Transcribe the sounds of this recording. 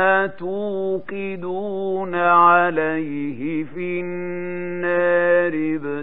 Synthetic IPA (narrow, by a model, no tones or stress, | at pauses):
at̪uqɪd̪uːnaʕalajhɪfiː | aːɾɪb